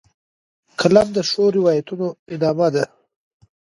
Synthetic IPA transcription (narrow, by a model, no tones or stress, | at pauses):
kʰalamd̪əʂoɾɪwɑjat̪unoɪd̪ɑmad̪a